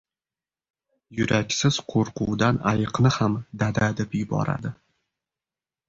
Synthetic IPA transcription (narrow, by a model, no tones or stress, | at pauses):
jʊɾakʲsɪz̥qʰoɾqʰʊwd̪anajɨqnɪhamd̪ad̪ad̪epjʊbɒ̰ɾa̰d̪ɪ